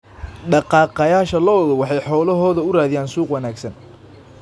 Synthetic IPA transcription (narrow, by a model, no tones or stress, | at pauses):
ɖɑqɑːqɐjaːʃɐlɔɔðɔwɑħɑjħɔːlɐɦɔːðɐʊraːðɪjaːnsuːqwɑnaːɡsɐn